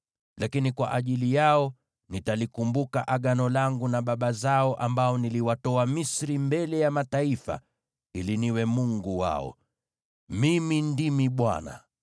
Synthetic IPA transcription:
lʔakinikwa̰ʔaʄilijaɔ | nitalikumbukaʔaɠanɔlaŋɡunaɓaɓazaɔʔambaɔniliwatɔamisɾimbɛlɛjamataifa̰ | iliniwɛmuŋɡuwa̰ɔ̰ | mimindimiɓwa̰na̰

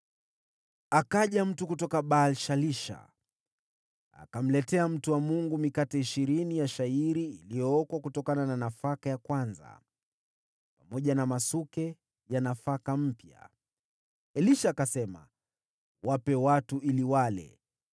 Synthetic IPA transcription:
akaʄam̩tukutɔkaɓalʃaliʃa̰ | a̰kam̩lɛtɛam̩tuwamuŋɡumikatɛiʃiɾinijaʃaiɾiːlijɔɔkwakutɔkanananafakajakwanza̰ | pamɔʄanamasukɛ | janafakam̩pja̰ | ɛliʃaːkasɛma̰ | wʔapɛwatuiliwalɛ̰

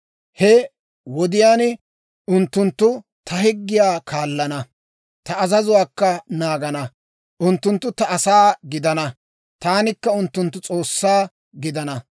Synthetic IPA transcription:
hɛ | wɔd̪ɪjaːn | ʊnt̪ːʊnt̪ːʊ | t̪ɐhɪɡːɪjaːkʰaːlːɐnɐ | t̪ɐːzɐzʊwaːkːɐnaːɡɐnɐ | ʔʊnt̪ːʊnt̪ːʊt̪ɐɐsaːɡɪd̪ɐnɐ | t̪aːnɪkːɐʊnt̪ːʊnt̪ːʊt͡sʼo̞ːsːaː | ɡɪd̪ɐnɐ

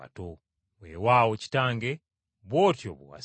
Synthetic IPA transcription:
a̰to | wewawoci̥taːŋɡe | βwo̞ːtjo̰βo̰wa̰

